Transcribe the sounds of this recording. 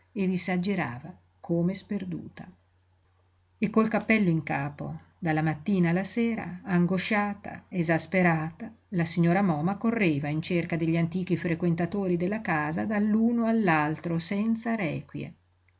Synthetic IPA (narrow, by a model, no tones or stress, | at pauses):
evizad͡ʒeɾa̰ːva | kʰoːmesperd̪ṵːt̪a̰ | ekːolkapːɛlːoiŋkaːpo̰ | d̪alːamat̪ːiːnaːlːaseːɾa̰ːŋɡoʃaːt̪a̰ezaspeɾaːt̪a | lasiɲːoːɾamɔːmakorːeːvaint͡ʃerkad̪eʎːiant̪iːk̟ifɾekwent̪at̪oːɾid̪elːakaːzad̪alːuːnoalːalt̪ɾosɛnt̪saɾɛːkwjḛ